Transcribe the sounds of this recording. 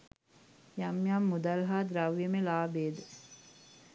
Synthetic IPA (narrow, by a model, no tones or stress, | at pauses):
jamjamːud̪ɐlɦaːd̪ɾaʋjəmelaːbeːd̪ə